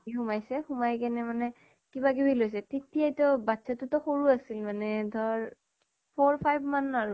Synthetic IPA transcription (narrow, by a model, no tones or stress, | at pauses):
ixumajsɛxumajkɛnɛmanɛ | kibak̬ibʱilojs̬ɛtetijajtɔbatsatʊtɔxoɹuasilmanɛdʱɔɹ | pʰɔɹpʰajbmanaɹu